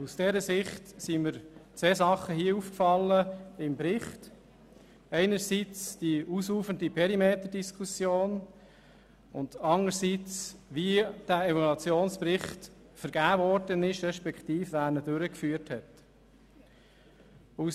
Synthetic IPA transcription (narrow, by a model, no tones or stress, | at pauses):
usd̥ɛɾəsɪχtsiməɾt͡sʋeːsɑχəhiəufkfɑlːəɪmbɾɪχt | ɛɪnəɾsit͡sd̥iʔusuːfəndipʰɛɾimeːt̪əd̥iskʰusjoːn | ʊndɑnəɾsit͡sʋid̥æːɛvɔlɑt͡sjoːnspɾɪχt | fəɾɡ̥æːvɔɾd̥ənɪʃɾɛʃpɛktiːfʋæːɾnəd̥øɾəkfyːəthɛt | us